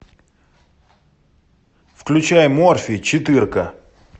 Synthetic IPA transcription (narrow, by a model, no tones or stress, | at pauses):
fklʲʉt͡ɕæjmorfʲit͡ɕɪt̪ɨrkə